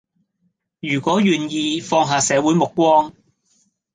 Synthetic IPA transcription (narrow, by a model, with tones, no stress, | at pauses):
jyː˨˩kʷɔː˨˥ɥyː˨njiː˧fɔː˧ŋɦaː˨sɛː˨˧wuː˨˥jmʊ˨kːʷwɔː˥ŋ